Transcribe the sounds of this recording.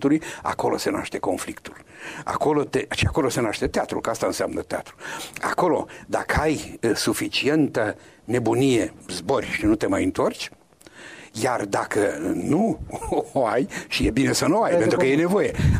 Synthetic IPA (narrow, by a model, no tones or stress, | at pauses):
t̪uluja̰ko̞lo̞̰se̞na̰ʃt̪e̞ko̞nflikt̪ul | a̰ko̞lo̞t̪eʃiako̞lo̞se̞naʃt̪e̞t̪eat̪ɾṵlkast̪aɨnsea̰mnət̪ea̰t̪ɾua̰ko̞lo̞̰d̪a̰kəajsufit͡ʃie̞nt̪əne̞bunije̞zbo̞rʲʃinut̪e̞majɨnt̪o̞rt͡ʃʲ | jard̪akənu | oajʃije̞bine̞sənuoajp̪ent̪ɾuukəjene̞vo̞je̞